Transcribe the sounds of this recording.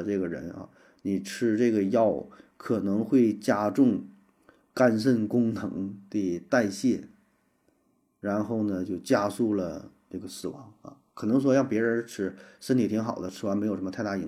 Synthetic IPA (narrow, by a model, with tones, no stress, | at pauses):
ʈ͡ʂɤ˥˩ɡə˩ɻə̰˧˥na̰˥˧ | ni˨˩ʈ͡ʂʰɻ̩˥ʈ͡ʂɤ˥˩ɡə˩jɑ˥˩ʊkʰɤ˨˩nɤ˧˥ŋxwe˥˩ɪt͡ɕja˥ʈ͡ʂʊ˥˩ŋ | ka˥˧ns̬ə˥˩nkʊ˥ŋnɤ˧˥ŋd̪ə˧˩t̪a˥˧ɪɕjɛ˥˩ | ɻa˧˥nxo˥˩ʊnə˩t͡ɕjo˥˩ʊt͡ɕja˥su˥˩lə̰˩ʈ͡ʂɤ˥˩ɡə˩sɹ̩˨˩wɑ̰˧˥ŋa̰˧˩kʰɤ˨˩nɤ˧˥ŋʂwɔ˥jɑ˥˩ŋpjɛ˧˥ɻə˧˥n˧ʈ͡ʂʰɻ̩˥sə˥nt̪ʰi˧˥t̪ʰi˧˥ŋxɑ˨˩ʊd̪ə˦ʈ͡ʂʰɻ̩˥˩a˧˥nme˧˥jo˨˩ʂm˧t̪ʰɪa˥˩i˧˥